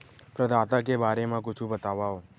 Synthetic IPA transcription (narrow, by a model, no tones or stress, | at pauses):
pɾəd̪ʱat̪akebaɾemãkʊt͡ʃʰũbət̪aʋao